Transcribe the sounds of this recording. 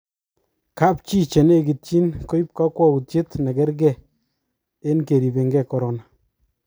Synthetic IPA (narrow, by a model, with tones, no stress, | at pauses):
ka˦p̚t͡ʃi˦t͡ʃɛ˨ne˦ki˨tt͡ʃi˦nko˦ji˦p̚ka˦kwɔ˦ku˨tje˦tnɛ˨kɛ˦ɾɡ̬ɛ˨ | e˦nke˨ɾi˨be˨ŋɡɛ˦kɔ˨ɾɔ˨na˨